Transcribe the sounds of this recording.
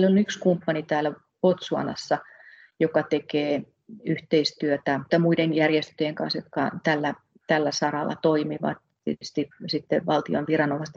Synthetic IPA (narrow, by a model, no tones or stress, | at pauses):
lonykskumpːɑnit̪æːlːæ | pot̪suɑ̰nɑ̰sːɑ | jokɑt̪ekeː | yht̪eist̪yøt̪æt̪ːɑmuidenjærjest̪øjeŋkɑ̰nsjo̰t̪kɑt̪ælːæ | t̪ælːæsɑrɑlːɑ̰t̪oimiʋɑ̰t̪ | yst̪isit̪ːeʋɑlt̪io̰nʋirɑnomɑst̪